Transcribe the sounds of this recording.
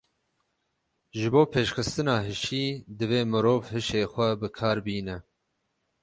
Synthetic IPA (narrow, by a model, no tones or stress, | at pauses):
ʒɨboːpʰeːʃxɨst̪ɨnɑːɦɨʃiːd̪ɨveːmɨɾoːvhɨʃeːxʷɛbɨkʰɑːɾbiːnɛ